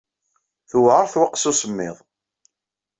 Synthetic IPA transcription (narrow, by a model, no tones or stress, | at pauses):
θʊwʕəɾˤθwəqːsusəmːɪ̰ðˤ